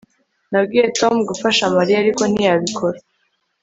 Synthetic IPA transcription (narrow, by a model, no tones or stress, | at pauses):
nabɡiːje̞to̞mɡufaʃamaɾiaɾiko̞n̥ijaβikʰo̞ɾa